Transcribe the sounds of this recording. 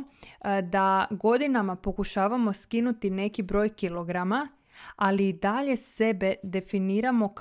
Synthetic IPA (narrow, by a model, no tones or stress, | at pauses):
d̪aɡo̞d̪inamapo̞kuʃaːʋamo̞skinut̪ine̞kibɾo̞ːjkilˠo̞ɡɾama | aliːd̪aʎe̞se̞be̞d̪e̞finiːɾamo̞k